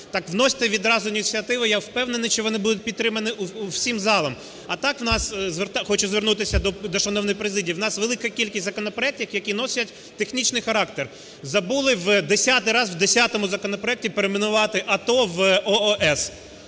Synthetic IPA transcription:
t̪ɑkʋnɔsʲɐ̥t̪ɛʋʲid̪ɾɑzʊinʲit͡sʲiɐt̪ɪʋɐjawpɛwnenɪʃt͡ʃɔʋɔnɪbud̪ʊt̚ʲpʲid̪t̪ɾɪmɐnɪʔuwsʲimzɑlˠɐm | ɐt̪ɑkwnɑszʋert̪ɑxɔt͡ʃʊzʋernut̪ɪsʲɐd̪ɔd̪ɔʃɐnɔwnɔjpɾezɪdʲijiwnɑsʋelˠɪkɐkʲilʲkʲisʲtʲzɐkɔnɔpɾɔɛk̚tʲɐxjɐkʲinɔsʲɐtʲ | t̪exnʲit͡ʃnɪjxɐɾɑkt̪er | zɐbulˠɪʋd̪esʲat̪ɪjɾɑzwd̪esʲat̪ɔmʊzɐkɔnɔpɾɔɛk̚tʲipeɾemenʊʋɑt̪ɪʔɐt̪ɔʋɔɔʔɛs

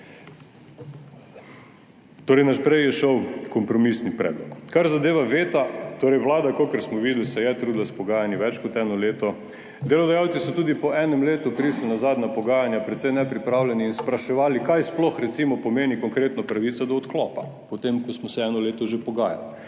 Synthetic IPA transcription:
t̪oːɾɛjnaʃpɾɛjjɛʃɔwkɔmpɾɔmisnipɾɛ̰d̪lɔkkːaɾzad̪eːʋaʋeːt̪at̪oːɾɛjʋlaːd̪akokəɾsmɔʋiːd̪lisɛjɛt̪ɾuːd̪laspɔɡaːjanjiʋɛt͡ʃkɔt̪ɛnɔleːt̪ɔ | d̪elɔd̪ajaw̪sisɔt̪uːd̪ipɔʔɛnɛmleːt̪upɾiʃlinazaːd̪napɔɡaːjanjapɾɛt̪sɛjnɛpɾipɾaːwlʲɛniːnspɾaʃɛʋaːlikajsplɔxɾɛt̪simɔpɔmeːnikɔŋkɾeːt̪nɔpɾaʋit̪sɔd̪ɔɔt̪klɔːpa | pɔt̪emkɔsmɔsɛɛnɔleːt̪ɔʒepɔɡaːja̰l

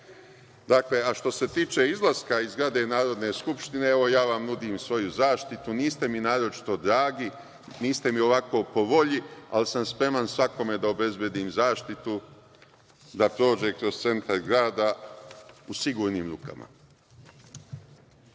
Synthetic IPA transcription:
d̪akle̞aʃt̪o̞se̞t̪iːt͡ʃe̞izlˠaskaizɡɾad̪e̞naːɾo̞d̪ne̞skupʃt̪ine̞eʋo̞jaːʋamnud̪imsʋo̞juzaːʃt̪it̪uniːst̪e̞minaːɾo̞t͡ʃi̥t̪o̞d̪ɾaːɡi | niːst̪e̞mio̞ʋako̞ːpo̞ʋo̞ʎia̰lisamspɾe̞mansʋako̞me̞d̪ao̞be̞zbje̞d̪iːmzaːʃt̪it̪u | d̪apɾo̞ːd͡ʒe̞kɾo̞zst̪se̞nt̪aɾɡɾaːd̪a | usiɡuːɾniːmɾuːka̰ma̰

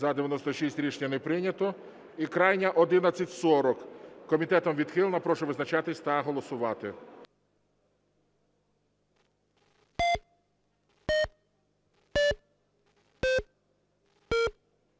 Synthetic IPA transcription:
zɐd̪eʋʲjɐnɔst̪ɔʃisʲtʲɾʲiʃnʲɐnɛpɾɪnʲɐt̪ɔ | ikɾɑjnʲɐʔɔd̪ɪnɐt͡sʲːɐtʲsɔɾɔkkːɔmʲit̪ɛt̪ɔmʋʲid̪xɪlˠenɐpɾɔʃɔʋɪznɐt͡ʃɑt̪ɪsʲt̪ɐɦɔlˠɔsʊʋɑt̪ɪ̰

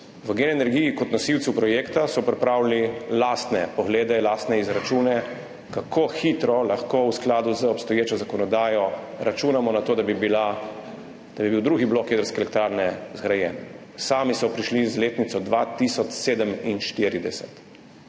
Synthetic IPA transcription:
ʋəɡenɛnɛɾɡijikɔt̪nɔsiwt̪supɾɔjeːkt̪asɔpɾɛpɾaːwlinilaːst̪nɛpɔɣleːd̪ɛlaːst̪nɛizɾat͡ʃuːnɛ | kakʰoxit̪ɾɔlaxkowsklaːd̪uzəɔpst̪ɔjeːt͡ʃɔzakɔnɔd̪aːjɔ | ɾat͡ʃuːnamɔnat̪oːd̪abibila | d̪̥abibiwd̪ɾuːɡiblokjeːd̪əɾskɛlɛk̚t̪ɾaːɾnɛzɡɾajɛn | saːmisɔpɾiʃlizleːt̪nit̪sɔd̪ʋat̪isɔt͡ʃseːd̪əminʃt̪iɾid̪ɛsɛt̪

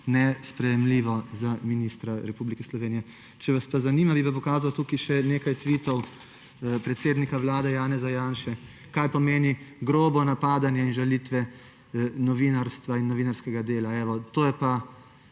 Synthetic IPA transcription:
nɛspɾɛjɛmliːʋɔzaminiːst̪ɾaɾɛpublikɛslɔʋeːnijɛ | t͡ʃɛʋaspazaniːmabipap̬ɔkaːzawt̪uːkiʃɛneːkajt̪ʋit̪ɔw | pɾɛt̪seːd̪nikaʋlaːd̪ɛjaːnɛzajanʃɛ | kajpɔmeːniɡɾoːbɔnapaːd̪anjɛinʒalit̪ʋɛ | nɔʋinaɾst̪ʋainːɔʋiːnaɾskɛɡad̪eːlaɛʋɔt̪oːjɛpa

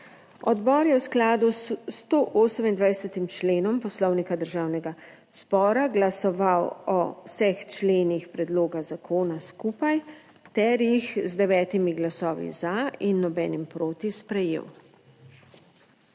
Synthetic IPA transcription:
ɔd̪bɔːɾjɛwsklaːd̪ust̪oʔoːsəmind̪ʋajsɛt̪imt͡ʃleːnɔmpɔslɔwnikad̪əɾʒaːwnɛɡa | z̥bɔːɾaɡlasɔʋawɔsɛxt͡ʃleːnixpɾɛd̪loːɡazakʰoːnaskuːpaj | t̪ɛɾjixzd̪ɛʋɛːt̪imiɡlasɔːʋḭzainːɔbɛːnimpɾoːt̪ispɾɛjḛw

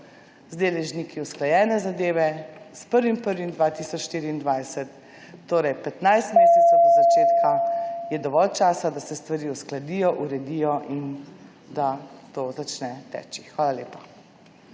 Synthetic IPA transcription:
zd̪eːlɛʒnikiusklajɛːnɛzad̪eːʋɛspəɾʋimpəɾʋimd̪ʋaːt̪isɔt͡ʃʃt̪iːɾiːnd̪ʋajsɛt̪ː | oːɾɛjpɛt̪najst̪meːsɛt̪sɛwzat͡ʃeːt̪kʰajɛd̪ɔʋɔlt͡ʃaːsad̪asɛst̪ʋaɾiːusklad̪ijɔʔuɾɛd̪ijɔʔin | d̪at̪oːzat͡ʃnɛt̪ɛ̰ːt͡ʃixʋaːlaleːpa

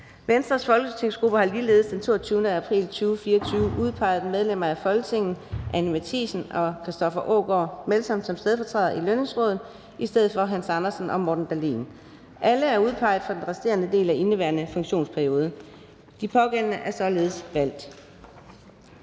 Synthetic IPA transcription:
ʋensd̥ʁɐsfɒ̽lɡ̥ət͡sʰe̝ŋ̰sɡ̥ʁub̥əhɑ̈liːle̝ːðˠsd̥ent͡sʰo̝̰ːt͡sʰyːʊnəæpʰʁḭːlt͡sʰyːʊfiːɐt͡sʰyːʊʔuð̞ˠpʰɑ̈ɪ̰ð̞̩ˠmeð̞ˠlemɐæfɒ̽lɡ̥ət͡sʰe̝ŋ̰n̩ʔænimæt͡sʰḭsn̩ɒ̽kʰʁisd̥ɒfɐʔo̰ːɡ̥ɒmelsɒ̽m̰d̥sɒ̽msd̥eð̞ˠfɒ̽t͡sʰʁɛð̰ˠɐʔiløne̝ŋsʁɔ̽ːð̞ˠð̩ˠ | isd̥eð̰̩ˠfɒ̽ɦænsɑ̈nɐsn̩ʔɒ̽mɒːd̥n̩d̥ælḭːn | ʔæləæɐuð̞ˠpʰɑ̈ɪ̰ð̩ˠfɑ̈d̥enʁɛsd̥e̝̰ɐnəd̥e̝̰ːlæʔe̝nəʋæ̰ːɐnəfɔ̽ŋɕo̝̰ːnspʰæɐio̝ːð̞ˠə | d̥ipʰɒ̽ɡ̥ennəʔæɐsɒ̽le̝ːð̞̩ˠəsʋæl̰d̥

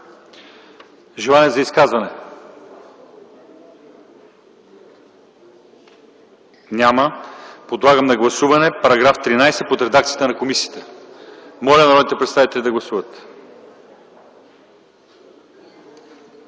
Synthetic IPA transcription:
ʒɛlˠanɛzɐiskazvɐnɛ | nʲaməpod̪lˠaɡəmnɐɡlˠɐsuvɐnɛpɐɾɐɡɾaft̪ɾinajsɛpot̪ɾɛd̪akt̪ijət̪ənɐkomisiət̪ə | mɔlʲɐnɐɾɔd̪it̪ɛpɾɛt̪st̪avit̪ɛlʲid̪ɐɡlˠɐsuvət̪

